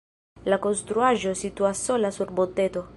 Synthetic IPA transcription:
lakonst̪ɾuaʒosit̪uasolasuɾbot̪et̪o

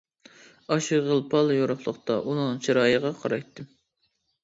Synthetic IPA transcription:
ɑʃɨʁəlˠpʰɑlˠjoɾʊχlˠəqt̪ɑʔunɨŋt͡ʃʰiɾɑːjəʁɑqʰɑɾɑjt̪ʰːɨm

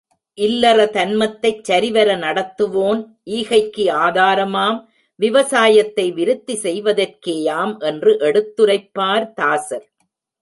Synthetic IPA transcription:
ʔɪlːɐrɐt̪ɐnmɐt̪ːɐɪt͡ʃːɐɾɪʋɐɾɐnɐɽɐt̪ːɯʋoːn | ʔiːɣɐɪkːɯaːðaːɾɐmaːm | ʋɪʋɐsaːjɐt̪ːɐɪʋɪɾɯt̪ːisɛjʋɐðɐrkeːjaːmʔɛndrɯʔɛɽɯt̪ːɯɾɐɪpːaːɾt̪aːsɐɾ

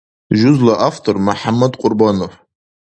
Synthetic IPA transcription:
ʒʊzlaʔaftʰormuħamːadqʷʼʊrbanof

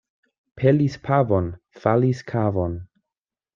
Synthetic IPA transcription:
pʰelispʰavon | faliskʰavon

